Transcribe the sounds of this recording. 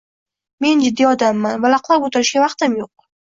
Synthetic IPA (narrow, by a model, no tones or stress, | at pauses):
me̞nd͡ʒɪd̪ːiɒd̪amːanvalaqlˠabut̪ʰaɾɪʃɡʲavaqt̪ɨmjoq̚